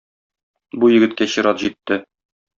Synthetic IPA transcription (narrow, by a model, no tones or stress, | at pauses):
bujɘ̆ɡɘ̆t̪̚kæɕɤ̆ɾɑt̪ʑit̪ːɘ